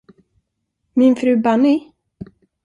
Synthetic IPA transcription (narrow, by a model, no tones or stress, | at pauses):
mɪnfɾʉ̟ːbanɪ